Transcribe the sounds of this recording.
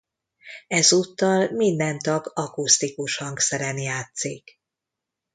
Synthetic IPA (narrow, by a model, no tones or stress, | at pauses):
ɛzut̪ːɒlmind̪ɛnt̪ɒɡɒkust̪ikuʃhɒŋksɛɾɛnjaːt̪sik